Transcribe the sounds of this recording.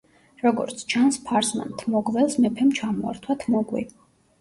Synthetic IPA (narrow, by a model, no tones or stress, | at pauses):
ɾɔɡɔ̰ɾt̪sʰt͡ʃʰanspʰaɾsma̰nt̪ʰmɔɡvɛlˠsmɛpʰɛmt͡ʃʰamɔa̰ɾt̪ʰwat̪ʰmɔɡwḭ